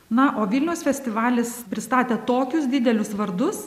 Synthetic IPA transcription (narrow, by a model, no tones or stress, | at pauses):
nɐʔoːʋʲilʲnʲɛʊsfʲɛsʲt̪ʲɪʋɑːlʲɪspʲɾʲɪst̪ɑːt̪ʲeːt̪oːkʲʊsd̪ʲɪd̪ʲɛlʲʊsʋɐɾd̪ʊs